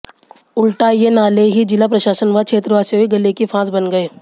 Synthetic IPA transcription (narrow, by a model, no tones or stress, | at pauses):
ʊlʈajenaːleɦid͡ʒɪlapɾɐʃaːsənʋat͡ʃʰeːt̪ɾʋaːseɦoiɡɐlekifʰãːsbɐnɡɐeː